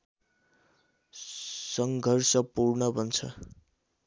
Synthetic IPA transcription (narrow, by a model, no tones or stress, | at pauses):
sʌŋɡʱʌrsʌpurnʌbʱʌnt͡sʰʌ̰